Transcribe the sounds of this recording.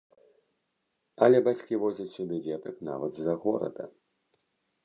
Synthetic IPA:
ɐlʲɛbat͡sʲkʲivɔzʲɐt͡sʲsʲubʲɛvʲɛt̪ɐkna̰vɐd̪zɐɣɔɾɐ̰d̪ɐ̰

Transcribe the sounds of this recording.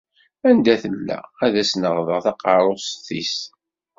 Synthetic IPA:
ænd̪æθəlːæ̰æðæsnəʁðəʁθɑqɑɾˤosθis

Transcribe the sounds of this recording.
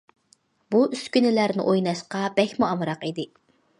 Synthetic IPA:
buʔyskʲynɪlæɾnɪ̰ʔojnɑʃqɑbɛçʲmuɑmɨɾɑqid̪ɪ

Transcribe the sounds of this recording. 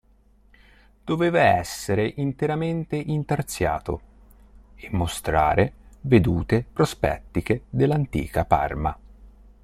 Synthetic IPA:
d̪̥oveːvaɛ̰sːeɾeʔint̪eɾament̪eʔint̪art̪sja̰ːt̪o̰ | emːost̪ɾa̰ːɾeved̪uːt̪epɾospɛ̰t̪ːik̟ed̪elːant̪ḭːkapa̰rma̰

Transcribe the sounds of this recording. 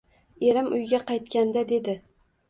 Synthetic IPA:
e̞ɾɪmʔʊjɡʲaqʰɑjt̪kʲand̪ad̪e̞d̪ɪ

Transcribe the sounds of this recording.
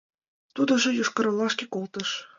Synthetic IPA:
t̪ud̪ɤ̆ʒɤ̆juʃkɤ̆ɾɤ̆lˠːɑʃkʲekolˠt̪ɤ̆ʃ

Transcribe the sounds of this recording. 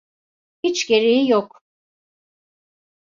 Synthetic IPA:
hit͡ʃɟe̞ɾijijok

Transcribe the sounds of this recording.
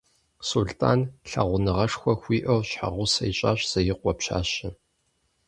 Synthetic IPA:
suɮtʰa̰ːnɬɐ̰ʁʷʊnɨʁɐʂxʷɔxʷiːʔɐwɕħa̰ʁʷʊsɐjɕʼa̰ːɕz̥ɐjɪqʷɔpɕa̰ːɕɪ

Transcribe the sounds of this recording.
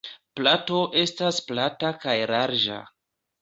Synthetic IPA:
plato̞ʔe̞stasplatakajɾaɾd͡ʒa̰

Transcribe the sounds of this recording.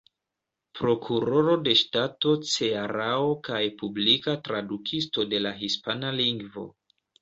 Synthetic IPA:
pɾo̞kʰuɾo̞ɾo̞de̞ʃtato̞t͡se̞aɾaokajpublikatɾadukʰisto̞de̞laɦispanaliŋɡvo̞̰

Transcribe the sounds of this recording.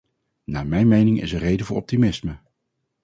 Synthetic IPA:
naːmɛjnmejnɪŋɪ̰sərejdəvʊːɹʔɔp̚timɪsmə

